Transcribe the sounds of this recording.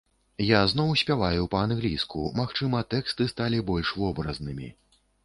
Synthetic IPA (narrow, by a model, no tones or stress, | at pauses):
jazn̪ɔwsʲpʲavajupɐanɣlʲijskumaxt͡ʂɨmɐt̪ɛkst̪ɨst̪alʲibɔlʲʂvɔbɾɐznɨmʲḭ